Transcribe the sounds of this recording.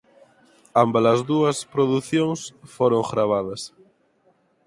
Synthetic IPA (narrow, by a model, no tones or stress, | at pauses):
ambɐlɐzðuɐspɾoðuθjoŋsfoɾoŋxɾaβ̞að̞ɐs